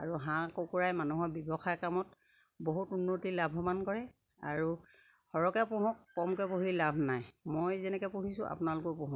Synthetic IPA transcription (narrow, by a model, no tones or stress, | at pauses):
aɹuɦãkokuɹajmanuɦɔbibɔxʰajkamɔt | boɦutunːotilabʱɔmankɔɹɛ | a̰ɹu | hɔɹɔkɛpɔɦɔ̃kːɔmkɛpoɦilabʱnajmojzɛnɛkɛpoɦisʊ̃ʔa̰punalʊkɔpɔɦɔ̃